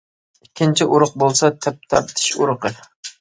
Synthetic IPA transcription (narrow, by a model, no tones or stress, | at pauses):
ikʲʰːint͡ʃʰiʔuɾʊq̚bolˠsɑt̪ʰɛp̚t̪ʰɑp̚t̪ʰi̥ʃuɾqʰə